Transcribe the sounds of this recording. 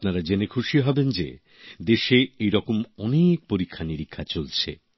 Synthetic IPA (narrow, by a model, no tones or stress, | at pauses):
pnaɾad͡ʑenekʰuʃiɦɔbend͡ʑḛ | d̪eʃeejɾɔkomɔnek̚poɾikʰːaniɾikʰːat͡ɕolt͡ɕʰḛ